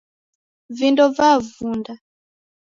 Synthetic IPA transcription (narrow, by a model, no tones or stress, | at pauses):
vindɔvavunda